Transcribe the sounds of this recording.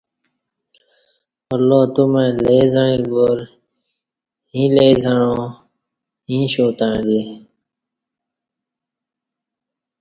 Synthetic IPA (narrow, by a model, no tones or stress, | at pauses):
əlːoːt̪ʊmẽːleːzəɳĩːɡoːɾ | ɦĩːleːzəɳõː | ɦĩːʃoːt̪ãːd̪eːɦẽː